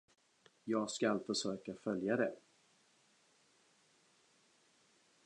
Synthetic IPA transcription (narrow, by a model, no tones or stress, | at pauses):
jɑːɡskalfœʂøːkafœljad̪ɛ